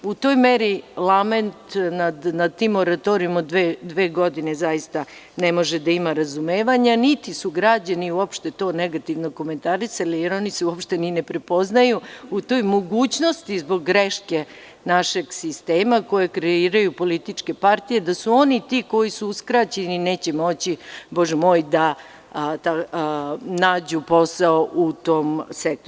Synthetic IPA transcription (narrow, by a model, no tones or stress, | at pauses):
ut̪o̞ːjmeɾilˠame̞nt̪nad̪nad̪̚t̪imːo̞ɾat̪oɾijmod̪ʋed̪ʋe̞ːɡo̞d̪ine̞zajist̪a | ne̞mo̞ʒed̪aimaɾazumeːʋaɲanit̪isuɡɾad͡ʑaniuopʃt̪e̞t̪o̞ːneɡat̪iʋno̞ko̞me̞nt̪aɾisalijeɾo̞niseuopʃt̪e̞ninepɾe̞po̞znajuut̪o̞ːjmo̞ɡuːt͡ɕno̞st̪izbo̞ɡːɾeʃke̞ | naʃe̞ɡsist̪eːmako̞jekɾeiːɾajupo̞lit̪it͡ʂke̞paɾt̪ije̞d̪asuo̞nit̪iːko̞jisuuskɾat͡ɕe̞nine̞ːt͡ɕe̞mo̞t͡ɕiboʒemo̞ːjd̪a | t̪a | naːd͡ʑupo̞saoʔut̪o̞ːmsek̚t̪o